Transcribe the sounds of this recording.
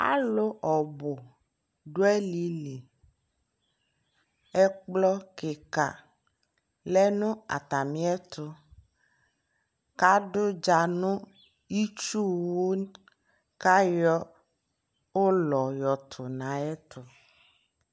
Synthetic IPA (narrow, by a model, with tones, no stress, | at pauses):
a̰˦lo˦ʔɔ˨bo˨ | ɖo˦ɛ˦li˨li˨ | ɛ˦k͡plɔ˦ke˨ka̰˨ | lɛ˦nʊ̃˦a̰˨t̪a˨mĩ˦ɛ˦t̪ʰʊ˦ | ka˦ɖʊ˦d͡ʒa˨nũ˦ | i˦t͡ʃu˦wo˦ | ka˦jɔ˦ | o˦lɔ˨jɔ˨t̪ʰʊ˨nã˨ɛ˦t̪ʰʊ˨